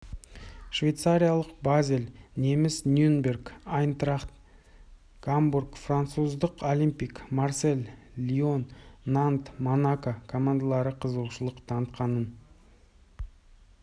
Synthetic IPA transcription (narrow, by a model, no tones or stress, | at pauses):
ʃvʲejt̪saɾʲijalˠəqbazʲelne̞mɪsnʲjunbʲe̞rkajnt̪raχt̪ | ɡ̥amburkfrant̪suzd̪əqolʲimpijkmarse̞lː | io̞nːant̪monakakʰo̞mand̪alˠɑɾəqʰəzəlʃəlˠəqt̪ʰɑnət̪qɑnən